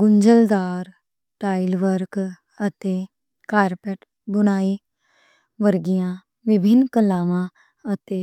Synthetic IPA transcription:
ɡʊɲd͡ʒəld̪aːɾ | ʈaːilʋəɾk | ət̪eː | kaːɾpɛʈ | bʊñaːiː | ʋəɾɡijãː | ʋɪbʱɪnːkəlaːʋãː | ət̪eː

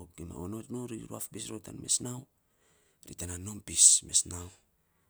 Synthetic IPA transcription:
kima̰onotnoɾiɾuafpisɾota̰nme̞snaw | ɾitanano̞mpisme̞snaw

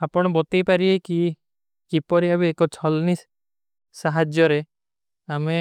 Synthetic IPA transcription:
apɔɽ̃ɔbɔt̪ejpaɾieki | kipɔɾiabeekɔt͡ʃʰɔlni | saɦad͡ʒjɔɾe | ame

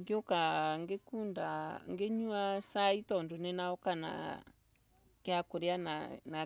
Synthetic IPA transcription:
ŋɡeokaŋɡekundaŋɡeɲuasaitɔndonɛnaɔkana̰ | keakoɾeanana

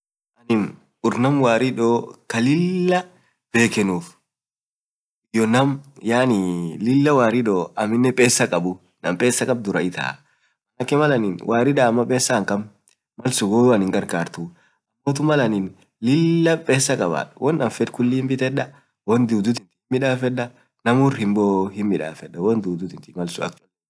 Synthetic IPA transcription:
ʔɐnɪn | ʊɾnɐmwaːɾɪᶑoːkɐlɪlːɐ | b̥e̞ːkɛnuːf | ɪjɔnɐmjaːnɪlɪlːɐwaːɾɪᶑoːɐmɪnːɛpʼeːsːɐkʼɐbʊ | nɐmpʼeːsːɐkʼɐb̚d̪ʊɾɐɪt̪ʰa̰ː | ʔɐnɐkːɛmɐlɐnɪnwaːɾɪᶑaːmːɐpʼeːsːɐːŋkɐmː | ɐlsʊɡoːɐnɪŋɡɐɾkaːɾt̪ʊ | ʔɐmːɔt̪ʊmɐlɐnin | lɪlːɐpʼeːsːɐkʼɐba̰ːᶑwʔɔnːɐmfɛd̪kʊlːɪmbɪt̪ɛᶑɐ | wɔnd̪uːd̪ʊt̪ɪnt̪ɪmːɪᶑaːfɛᶑɐ | nɐmʊrhɪmboːhɪmːɪᶑa̰ːfɛᶑːɐwɔnd̪uːd̪ʊt̪ɪnt̪ɪmɐlsʊɐ̰k̚t̪l

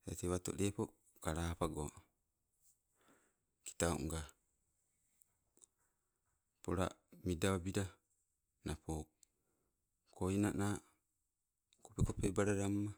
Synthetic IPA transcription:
ḛteβat̪o̰depo | kaɾapaɡo | ki̥tao̰ŋɡa | poɾa̰midaβabiɾa | napo | kʰoinana | kopekopebaɾaɾamːa

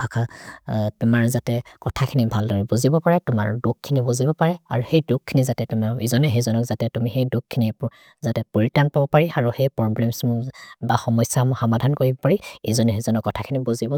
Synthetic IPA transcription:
bʱakʰa | tumaɹzatɛkɔtʰakʰinibʱaldɔɹɛbuzibɔpaɹɛtʊma̰ɹdukkʰːinibuzibɔpaɹɛa̰ɹuhejdukʰːinizatɛtumaizɔnɛɦezɔnɔkzatɛtumixejdukʰːini | zatɛpoɹitanpabɔpaɹiaɹuhejpɹɔblɛmsmbaxɔmɔjsamxɔmadʱankoɹibɔpaɹiezɔnɛɦezɔnɔkːɔtʰakʰinibuzibɔ

